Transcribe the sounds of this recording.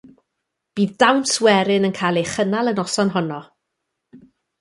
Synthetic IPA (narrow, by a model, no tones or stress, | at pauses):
b̥iːðdawnswɛɾɪnənkʰajlˠejχənalˠənɔsɔnɦɔnɔ